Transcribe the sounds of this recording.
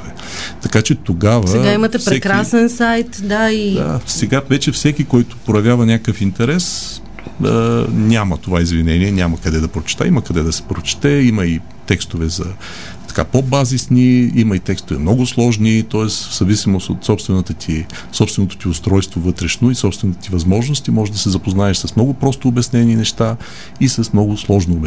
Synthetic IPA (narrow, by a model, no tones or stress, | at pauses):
vɛ | t̪ɐkat͡ʃɛt̪oɡavsəɡaimɐt̪ɛspɾɛɛkɾasɛnsajt̪d̪aid̪a̰sɛɡavɛt͡ʃɛfsɛkʲikɔjt̪ʊ̥pɾojɐvʲjavɐnʲakəfint̪ɛɾɛs | ənʲamət̪ovaizvinɛniɛnʲamɐkɐd̪ɛd̪ɐpɾot͡ʃɛ̥t̪a̰imɐkɐd̪ɛd̪ɐsɛ̥pɾot͡ʃɛ̥t̪ɛiməi | t̪ɛkst̪ovɛzɐ | t̪ɐ̥kapobazisniimɐit̪ɛkst̪ovɛ̰mnɔɡʊslˠɔʒnit̪ɔɛsz̥ɐvisimoso̰t̪sɔpst̪vɛnət̪ət̪ʰi | sɔpst̪vɛnot̪o̥t̪iʊst̪ɾɔjst̪vovɤt̪ɾɛʃnoisɔpst̪vɛnot̪ət̪ivɐzmɔʒnʊst̪imɔʒɛʒd̪ɐsɛzɐpoznaɛʃsɐsmnɔɡʊpɾɔst̪oːbɛsnɛninɛʃt̪a | isɐsmnɔɡʊslˠɔʒnoːbɛ